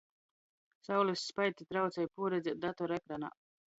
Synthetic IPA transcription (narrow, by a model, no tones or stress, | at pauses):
sawlisːpajt̪it̪ɾawt̪sɛjpuːɾɛd̪zʲɛd̪at̪ɔɾɛkɾana̰ː